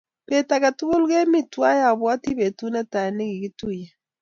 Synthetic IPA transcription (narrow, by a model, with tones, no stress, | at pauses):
pe˨ta˨ka˨tʊ˦kʊ˦lɡe˦mi˦twa˦ja˨bwɔ˦ti˦be˨tu˦na˦ta˨nɛ˦ɡi˨ɡi˦tu˦˨je˨